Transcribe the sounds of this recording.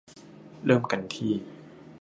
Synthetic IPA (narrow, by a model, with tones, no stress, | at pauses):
ɾɤː˥˩mka˧nt̪ʰiː˥˩